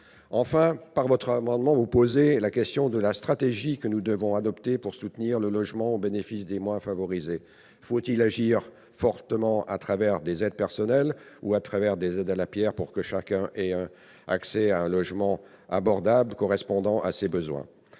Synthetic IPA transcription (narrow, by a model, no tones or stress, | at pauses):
ɑ̃fɛ̃paʁvɔt̪χamɑ̃d̪mɑ̃vupozelakʲɛst̪jɔ̃d̪əlast̪χat̪eʒikənud̪əvɔ̃ad̪ɔpt̪epuʁsut̪niʁləlɔʒmɑ̃obenefisd̪emwɛ̃favɔʁize | fot̪ilaʒiʁ | fɔʁt̪əmɑ̃ʔa̰t̪χavɛʁd̪ezɛd̪̚pɛʁsɔnɛluat̪χavɛʁd̪ezɛd̪alapjɛʁpuʁkəʃakʲɛ̃ʔɛɛ̃ | a̰ksɛaɛ̃lɔʒmɑ̃ | abɔʁd̪abləkɔʁɛspɔ̃d̪ɑ̃ʔa̰sebəzwɛ̰̃